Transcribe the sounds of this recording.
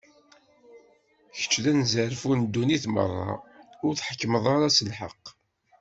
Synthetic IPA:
çə̥t͡ʃːðænzəɾfund̪ːuniθmə̰rˤːɑ̰ʊɾθħəkːməðˤɑɾɑsəlħəq

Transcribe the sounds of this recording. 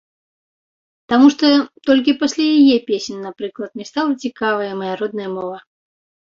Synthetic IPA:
t̪amuʂt̪ɔt̪ɔlʲkʲipɐsʲlʲajajɛpʲesʲnʲnapɾɨklˠɐt̪̚nʲɛst̪alˠɐt͡sʲikavɐjɐmɐjaɾɔd̪̚nɐjɐmɔvɐ

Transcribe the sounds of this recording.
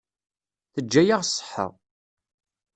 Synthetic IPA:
θəd͡ʒːæjaʁsˤːə̥ħːə̰ʁ

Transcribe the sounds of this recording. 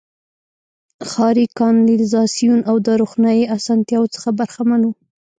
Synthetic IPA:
xɑɾikɑnlɪlzɑsijunawd̪əɾoxnjɑjeasɑnt̪jɑwot͡sə̥xabaɾxamanu

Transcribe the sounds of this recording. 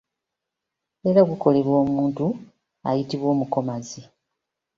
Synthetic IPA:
e̞ɾaɡuko̞le̞βwo̞ːmuːntu | a̰jitiβwo̞ːmuko̞mazi

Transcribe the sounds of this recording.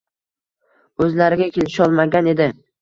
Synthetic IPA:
ɵzlaɾɪɡʲakʲʰelɪʃɒlˠmaɡʲane̞d̪ɪ

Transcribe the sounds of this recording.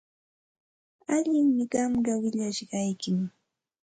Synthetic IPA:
aʎɪŋmɪɢɑmɢɑwɪʎaʃɢɑjkɪm

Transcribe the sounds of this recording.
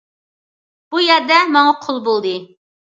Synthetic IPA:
b̥ujɛɾd̪ɛmɑŋɑqʰolˠbolˠd̪ɨ

